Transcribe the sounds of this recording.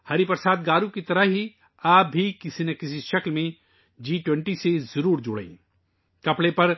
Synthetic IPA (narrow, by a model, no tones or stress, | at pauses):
hɐɾipɐɾsaːt̪̚ɡaːɾũkit̪ɐɾəɦɦi | aːp̚bʱikɪsinɐkɪsiʃɐklmẽ | d͡ʒiːʈwɛ̃ɳʈisezɐɾuːɾd͡ʒʊɽḛ̃ː | kɐpɽepɐɾ